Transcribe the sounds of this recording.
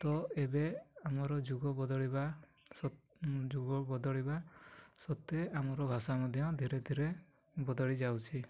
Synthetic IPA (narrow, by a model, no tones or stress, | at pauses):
t̪ɔebeamɔɾɔd͡ʒuɡɔbɔd̪ɔɭiba | sɔ | d͡ʒuɡɔbɔd̪ɔɭibasɔt̪eamɔɾɔɡʱasamɔd̪ʱjɔd̪ʱiɾed̪ʱiɾe | bɔd̪ɔɽid͡ʒawt͡ʃʰi